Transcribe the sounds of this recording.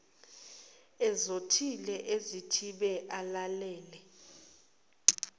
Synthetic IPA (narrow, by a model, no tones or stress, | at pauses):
ɛzotʰilɛʔezitʰiɓɛʔalalɛːlɛ